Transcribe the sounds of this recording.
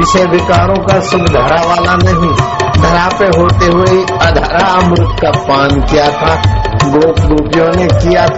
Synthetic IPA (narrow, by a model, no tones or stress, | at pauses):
ɪʃebɪkaːɾõkasʊbd̪ʱɐɾaʋaːlanɐɦĩd̪ʱɐɾapeɦoːt̪eɦʊeiɐd̪ʱaɾaəmɾʊt̪kapaːnkijat̪ʰaː | ɡoːkɾuːpijõnekijat̪ʰ